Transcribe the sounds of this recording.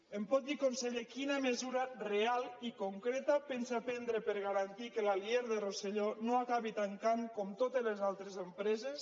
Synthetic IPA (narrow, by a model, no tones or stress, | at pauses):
empɔt̪̚d̪ikonseʎekinamezuɾarealikoŋkɾet̪apensapɛnd̪ɾepeɾɣaɾant̪ikelalieɾðeroseʎonoakaβit̪aŋkaŋkɔmt̪ot̪elezalˠt̪ɾezempɾɛzes